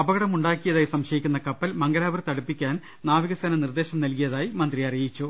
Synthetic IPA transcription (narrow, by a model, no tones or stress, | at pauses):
ɐbɐɣɐɽɐmuɳɖaːkʲːijɐðaːjisɐmɕɐjikʲːunːɐkɐpːɐlmɐŋɡɐlaːbɐrt̪ɐɽupːikʲːaːn | naːʋiɣɐst̪ɐnɐnird̪eːɕɐmnɐlkijɐðaːjimɐnd̪riɐrijit͡ɕːu